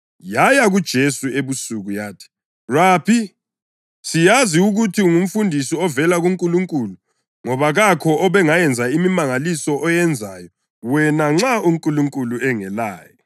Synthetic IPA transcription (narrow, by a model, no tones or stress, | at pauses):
jajaɣud̥ʒ̥ʱesueβusuɣujaːtʰi̥ | raːpʰi | sijaziuɣutʰiuŋum̩fundʱisiɔvɛlaɣuŋkʼuluŋkʼulu | ŋɔβaɣakʰɔɔβɛŋajɛnd͡zʱaimimaŋalisɔʔɔjɛnd͡zʱajɔ | wɛnaŋ͡ǁauŋkʼuluŋkʼuluɛŋɛlaːjɔ